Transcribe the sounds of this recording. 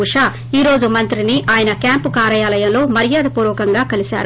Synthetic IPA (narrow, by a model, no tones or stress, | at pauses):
uʂaː | iːɾo̞ːd͡ʒumɐnt̪ɾiniʔaːjɐnɐkjaːmpukaːɾɐjaːlɐjɐmlo̞ːmɐɾijaːd̪ɐpuːɾɐkɐŋɡaːkɐlisa̰ːɾu